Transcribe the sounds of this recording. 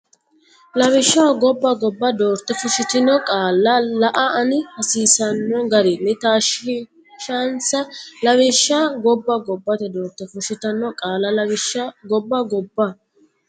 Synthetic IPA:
lɐβɪʃːɐwɐɡɔbːɐɡɔbːɐd̪oːɾt̪ːɛfʊʃɪt̪ɪnɔkʼaːlːɐlɐʔɐɐnɪhɐsiːsɐnːɔɡɐɾɪnːɛt̪aːʃ | ʃɐnsɐlɐβɪʃːaːɡɔbːɐɡɔbːɐt̪ɛd̪oːɾt̪ːɛfʊʃɪt̪ɐnːɔkʼaːlːɐlɐwɪʃːɐɡɔbːɐɡɔbːɐ

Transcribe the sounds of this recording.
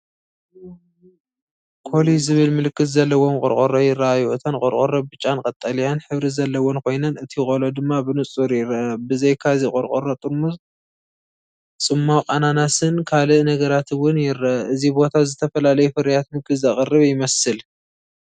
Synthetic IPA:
kʰo̞lizɨβɨlmɨlɨkːɨt̪zɐlːɐwomkʼɔ̰ɾkʼoɾojɪraajuɨt̪ʰɐnkʼɔɾkʼoɾɐbbɨt͡ʃʼːankʼɐt̪ʼːɐlijanħɨβɾizɐlːɐwonkʰo̞jnɐnɨt̪ʰikʼolod̪ɨmːabɨnɨt͡sʼuɾjɪɾɐbɨzɐjkʰazikʼɔɾkʼoɾot̪ʼɨɾmuz | t͡sʼɨmːakʼananasɨnkʰalɨnɐɡɐɾat̪ʰwʊnjɪɾɐʔɨzibo̞t̪ʰazɨt̪ʰɐfɐlalɐjufɨɾjat̪mɨkɨzɐχʼɨrːɨβjɪmɐsɨl

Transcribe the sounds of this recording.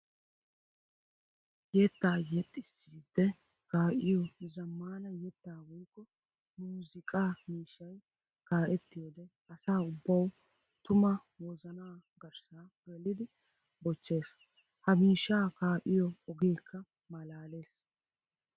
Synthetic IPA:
jɛt̪ːaːjɛt̪ʼːɪsːiːd̪ːɛ | kaːʔɪjɔzɐmːaːnɐjɛt̪ːaːwɔjkːɔ | muːzɪkʼaːmiːʃːɐj | kaːʔɛt̪ːɪjɔd̪ɛ | ɐsaːʊbːɐw | t̪ʊmɐ | wɔzɐnaːɡɐɾsaɡɐlːɪd̪ɪ | bɔt͡ʃːe̞ːs | hɐmiːʃːaːkaːʔɪjɔɔɡe̞ːkʰːɐ | mɐlaːle̞ːs

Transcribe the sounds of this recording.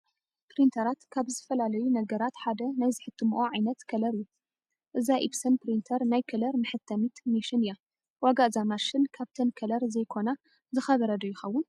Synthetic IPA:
pɾint̪ʰɐɾat̪kʰaβzɐfɐlalɐjunɐɡɐɾat̪ħad̪ɐnajzɨħɨt̪ʰːɨmʔoʕajnɐt̪kʰɐlɐɾju | ʔɨzaʔibsɐnpɾint̪ʰɐɾnajkʰɐlɐɾmɨħɨt̪ʰːɐmit̪miʃɪnija | waɡaʔzamaʃɨnkʰaβt̪ʰɐnkʰɐlɐɾzɐjkʰo̞na | zɨxɐβɐɾɐd̪ɐjɪxɐwːʊn

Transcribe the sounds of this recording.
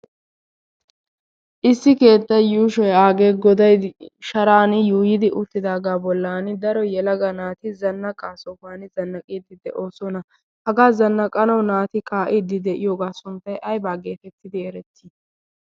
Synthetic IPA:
ʔɪsːɪke̞ːt̪ːɐjuːʃɔjaːɡe̞ːɡɔd̪ɐjʃɐɾaːnɪjuːjɪd̪ɪʔʊt̪ːɪd̪aːɡaːbɔlːaːnɪd̪ɐɾɔjɛlɐɡɐnaːt̪ɪzɐnːɐkʼːaːsɔbaːnɪzɐnːɐkʼiːd̪ɪd̪ɛʔo̞ːsɔnɐ | hɐɡaːzɐnːɐkʼɐnɐwnaːt̪ɪkʼaːʔiːd̪ːɪd̪ɛʔɪ̰jo̞ːɡaːsʊnt̪ːɐjʔɐjbaːɡe̞ːfɛt̪ːɪd̪ɪɛɾɛt̪ːi

